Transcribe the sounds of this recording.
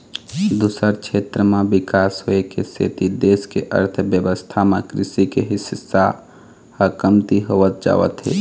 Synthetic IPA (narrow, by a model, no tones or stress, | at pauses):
d̪uːsəɾkʃʰeːt̪ɾəmẽbɪkaːsɦoekesḛːt̪id̪eːskeʔə̰ɾt̪ʰbjəʋəst̪ʰamẽkɾɪsikeɦɪsəsːa | həkəmt̪iɦoːʋət̪̚d͡ʒa̰ːʋə̰t̪ɦḛː